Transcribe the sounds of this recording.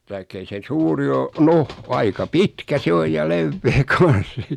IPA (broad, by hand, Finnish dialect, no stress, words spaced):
tɑikː ei se suːri o noh ɑikɑ pitkæ se oj jɑ leʋːeː kɑn̞s